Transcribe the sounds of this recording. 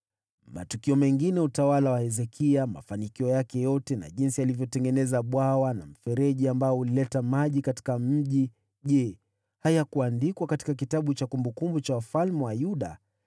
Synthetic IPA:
ma̰tukiɔmɛŋɡinɛutawalawahɛzɛkʰiama̰fanikiɔjakɛjɔtɛna̰ʄinsialivjɔtɛŋɡɛnɛzaɓwawana̰m̩fɛɾɛʄiambaɔulilɛtamaʄikati̥kam̩ʄi | ʄɛ | hajakuandikwakati̥kak̬itaɓut͡ʃakumbukumbut͡ʃawafalmɛwajuɗa̰

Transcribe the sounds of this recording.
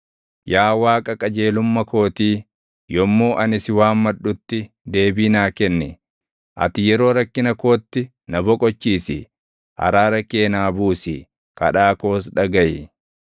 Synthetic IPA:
jaːwaːkʼɐkʼɐd͡ʒe̞ːlʊmːɐko̞ːt̪iː | jɔmːoːʔɐnɪsɪwaːmːɐᶑʊt̪ːɪ | d̪e̞ːbiːnaːkɛnːɛ | ʔɐ̰t̪ɪjɛɾo̞ːɾɐkːɪnɐko̞ːt̪ːɪ | nɐbɔkʼɔt͡ʃːiːsɪ̰ | hɐ̰ɾaːɾɐkːeːnaːbuːsɪ | kɐ̰ᶑaːko̞ːs̬ᶑɐɡɐjɪ

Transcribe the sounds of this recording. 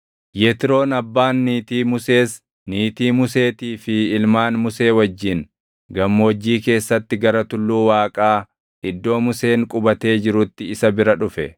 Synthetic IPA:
jet̪ɪɾo̞ːnɐbːaːnːiːt̪iːmʊse̞ːs | niːt̪iːmʊse̞ːt̪iːfɪɪlmaːnmʊse̞ːwɐd͡ʒːɪn | ɡɐmːo̞ːd͡ʒːiːke̞ːsːɐt̪ːɪɡɐɾɐt̪ʊlːuːwaːkʼaː | ɪd̪ːo̞ːmʊse̞ːŋkʼʊbɐt̪e̞ːd͡ʒɪɾʊt̪ːɪɪsɐbɪɾɐᶑʊfɛ

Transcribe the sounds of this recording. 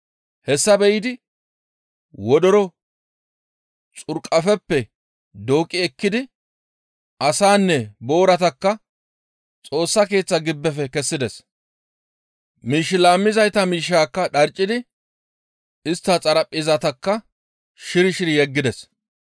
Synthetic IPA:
hɛsːɐbɛjɪd̪ɪ | wɔd̪ɔɾɔ | t͡sʼʊɾkʼɐfɛpːɛ | d̪o̞ːkʼːɪɛkːɪd̪ɪ | ʔɐsaːnːɛbo̞ːɾɐt̪ɐkːɐ | t͡sʼo̞ːsːɐke̞ːt͡sːɐɡɪbːɛfɛkɛsːɪd̪ɛs | miːʃːɪlaːmːɪzɐjt̪ɐmiːʃːaːkːɐᶑɐɾt͡ʃʼːɪd̪ɪ | ɪst̪ːɐt͡sʼɐɾɐpʼːɪzɐt̪ɐkːɐ | ʃɪɾɪʃɪɾɪjɛɡːɪd̪ɛs

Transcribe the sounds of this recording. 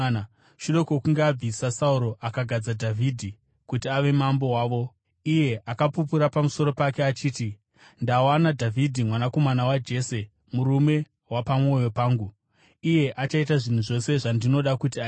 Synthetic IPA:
ʃuɗo̞kokuŋɡeab͡visasauɾo̞ʔakaɡʱad͡zadʱavʱidʱi | kutiaʋe̞mambo̞waːʋo̞ | ije̞ʔakapup̬uɾapamuso̞ɾo̞pake̞at͡ʃiːti | ndawanadʱavʱidʱimwanako̞manawad͡ʒe̞ːse̞ | muɾume̞ | wapamwo̞jo̞paːŋɡu | ije̞ʔat͡ʃaitaʐin̤uʐo̞se̞ʐandino̞ɗakut̬ia

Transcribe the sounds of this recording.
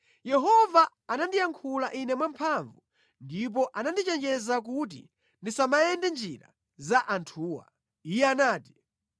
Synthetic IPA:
jɛɦɔvaː | nandijaŋkʰulaʔinɛmwampʰaɱvu | ndip̬ɔʔanandit͡ʃɛnd͡ʒɛzak̬ut̬ḭ | ndisamajɛndɛnd͡ʒiɾa̰ | zaʔantʰuːwa̰ | ijɛanaːti̥

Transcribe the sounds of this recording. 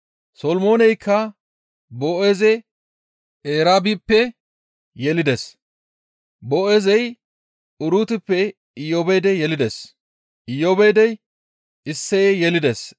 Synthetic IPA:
sɔlmo̞ːnɛjkʰːɐ | boːʔeːzɛ | eːɾaːbipːɛ | jɛlɪd̪ɛs | boːʔezɛj | ʊɾuːt̪ɪpːɛ | ɪjoːbɛjd̪ɛjɛlɪd̪ɛs | ʔɪjoːbejd̪ɛj | ɪsːɛjjɛlɪd̪ɛs

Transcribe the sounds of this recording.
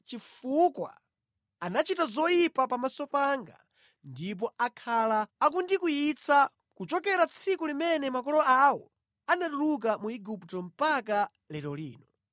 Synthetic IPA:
t͡ʃifukwa̰ | anat͡ʃitazɔjipapamasɔpaŋɡa̰ | ndip̬ɔakʰalaːk̬undikujit͡sʰa | kut͡ʃɔkɛɾat͡sʰikulimɛnɛmakɔlɔawɔ̰ | anaɗuluk̬amuiɡuptɔm̩pak̬a | lɛɾɔlḭːnɔ

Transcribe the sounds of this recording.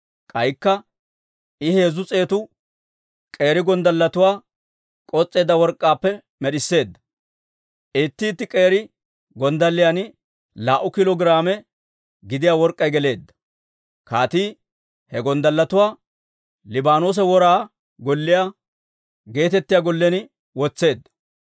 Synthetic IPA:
kʼɐjkːɐ | ɪhe̞ːzʊt͡sʼe̞ːt̪ʊ | kʼe̞ːɾɪɡɔnd̪ɐlːɐt̪ʊwaː | kʼɔt͡sʼːe̞ːd̪ːɐwɔɾkʼːaːpːɛ | mɛɗɪsːe̞ːd̪ːɐ̥ | ʔeːt̪ːiːt̪ːɪkʼe̞ːɾɪ | ɡɔnd̪ɐlːɪjanɪ | laːʔʊkɪlɔɡɾaːmɛ | ɡɪd̪ɪjaːwɔɾkʼːɐjɡɛle̞ːd̪ːɐ̥ | kaːt̪iː | hɛɡɔnd̪ɐlːɐt̪ʊwaː | lɪbaːnoːs̬ɛwɔɾaː | ɡɔlːɪja | ɡe̞ːt̪ɛt̪ːɪjaɡɔlːɛnɪ | wɔt͡sːe̞ːd̪ːɐ̥

